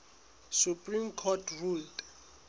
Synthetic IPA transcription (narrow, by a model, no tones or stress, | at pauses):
supʼrimkʰɔtʰruld